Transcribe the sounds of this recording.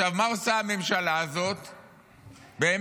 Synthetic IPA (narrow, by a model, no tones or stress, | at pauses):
avmaosaame̞mʃalaːzo̞t̪ | beːm